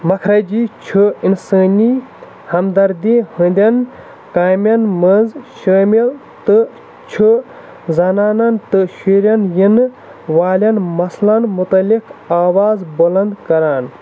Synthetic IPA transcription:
mɐkʰɾɐd͡ʒit͡ʃʰuinsəːni | hɐmd̪ɐɾd̪ihə̃nd̪ʲɐn | kaːmʲɐnməzʃəːmil | t̪ɨ | t͡ʃʰu | zɐnaːnɐnt̪ɨʃiɾʲjɐnjinɨ | ʋaːlʲɐnmɐslɐnmut̪ɐlikaːwaːzbɐlɐnd̪kɐɾaːn

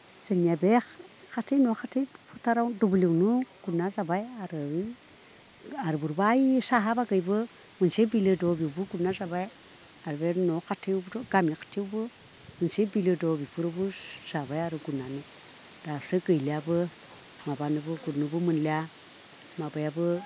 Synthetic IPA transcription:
səɲabe | xatenoxatefutaɾadobulewnuɡ̥unːasabajaɾə | aɾbuɾbajisaɦabaɡəjbə | mənsebilədobibuɡunasabaj | aɾbenokatewbɾɡamikḁtewbə | mənsebilədobipuɾobusabajaɾuɡunani | d̥asəɡəjliabə | mabanəbəɡuɾnubəmənlia | mabajabə

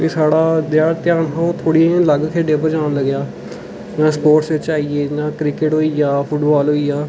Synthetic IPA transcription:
kisaːɽaːd̪ɪjaːɾt̪jaːnɦãːot̪ʰoːɽiẽləɡkʰeːɖẽːp̬əɾd͡ʒãːnləɡjaː | nãːspoːʈsʋɪt͡ʃaːiːeːnãːkɾɪkɪʈɦoːiːjaːpʰʊʈbaːlɦoːiːjaː

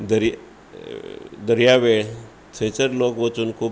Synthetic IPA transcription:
d̪əɾj | d̪əɾjaʋeɭ | t͡sʰə̃jt͡səɾlokʋət͡suːnkʰuː

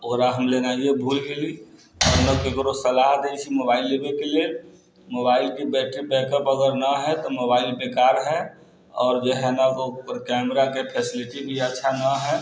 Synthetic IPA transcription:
oɾaɦəmlenaiebʱuːlɡeli | ɔɾnəkkekɾosəlaːɦt̪eit͡ʃʰimobaːɪlːebekele | moːbaːɪlkibɛːʈɾibɛːkəpəɡəɾnaɦɛt̪omoːbaːɪlpeːkaːɾɦɛ | ɔːɾd͡ʒeɦɛnəkopəɾkɛːmɾakepʰeːsɪlɪʈibʱiətːʃʰanaɦɛ

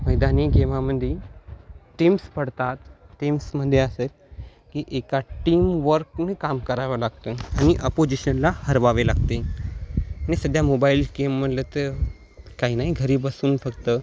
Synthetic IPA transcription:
məjd̪aniɡemaməd̪ʱːje | ʈimspəɽt̪at̪ːimsməd̪ʱːjeəseːl | kiʔekaʈiːmʋəɾknekamkəɾaʋəlaɡt̪əañiʔəpod͡ʑiɕənlahəɾʋaʋelaɡ̚t̪e | añisəd̪ʱjamobailɡemːəʈlət̪ə | kaɦinaɦiɡʱəɾiːbəsuːnfəkt̪ə

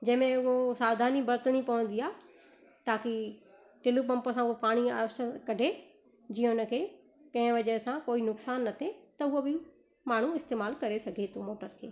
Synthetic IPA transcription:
d͡ʑɐ̃ɦɪ̃mẽʊɦosaːʋd̪ʱaːnibɐɾt̪əɽ̃ipɐʋə̃n̆d̪iaː | t̪aːki | ʈɪlupɐ̃mpəsãʊɦopaːɽ̃ia̰ːɾəsʈəkɐɖʱe | d͡ʑiːə̃ʊnə̆kʰeː | kɐ̃ɦɪ̃ʋɐd͡ʒəɾsãkoːinʊksaːnːɐt̪ʰet̪ɐʊobɪ | maːɳ̤ũɪst̪eːmaːlkɐɾesɐɡʱet̪omoːʈəɾkʰeː

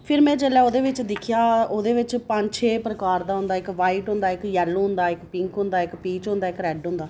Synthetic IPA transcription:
pʰɪɾmɛ̃ːt͡ʃeːlɛːoːd̪eːʋɪt͡ʃd̪ɪkʰjaːoːd̪eːʋɪt͡ʃpəɲt͡ʃʰeːpɾəkaːɾd̪aːɦʊ̃nd̪aːɪkʋaːiːʈɦʊ̃nd̪aːɪkjɛːlːoɦʊ̃nd̪aːɪkpɪŋkɦʊ̃nd̪aːɪkpiːt͡ʃɦʊ̃nd̪aːɪkɾɛːɖɦʊ̃nd̪aː

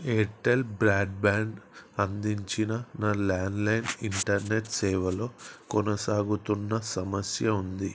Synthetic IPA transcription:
eːʈːelbɾaːɖ̚baːɳɖɐnd̪iɲt͡ʃinɐnaːlaːnlɐjniɳʈɐɾneʈsɛːʋɐlo̞ːkɔnɐsaːɡut̪unːɐsɐmɐsjɐund̪i

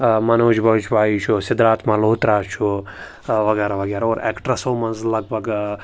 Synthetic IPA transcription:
mɐnoːd͡ʒbɐʋt͡ʃʰbaːit͡ʃʰusɪd̪ɾaːt̪maloːt̪ɾaːt͡ʃʰu | ʋɐɡɛːɾaʋɐɡaːɾoːɾḛːkʈɾɐsoːmɐnzlɐɡ̚bʱɐɡ

